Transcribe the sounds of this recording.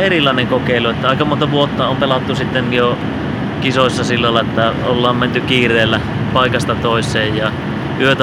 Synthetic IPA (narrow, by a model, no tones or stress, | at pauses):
erilˑɑˑeneŋkokeˑiluet̪ːæɑˑikɑmont̪ɑʋuot̪ːɑompelɑt̪ːusit̪ːenjo | kisoisːɑsilːɑlːɑet̪ːæolːɑːmment̪ykiːrˑeːlːæ | pɑikɑst̪ɑt̪oˑisˑeːjjɑ | ʔyøt̪æ